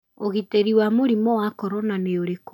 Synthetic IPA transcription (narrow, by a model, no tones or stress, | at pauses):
oɣiteɾiwamoɾimɔwakɔɾɔnaneoɾek